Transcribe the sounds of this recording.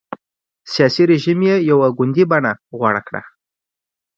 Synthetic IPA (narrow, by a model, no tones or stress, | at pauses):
sijɑsiɾeʒimjejawaɡʊnd̪ibaɳaɣwaɽa̰kɽa̰